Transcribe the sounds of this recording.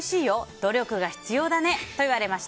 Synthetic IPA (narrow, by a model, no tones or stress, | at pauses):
ɕiːjo̞d̪̥o̞ɾʲo̞kɯ̟ɡaçi̥t͡sɨjo̞ːd̪ane̞t̪o̞iβ̞aɾe̞maɕi̥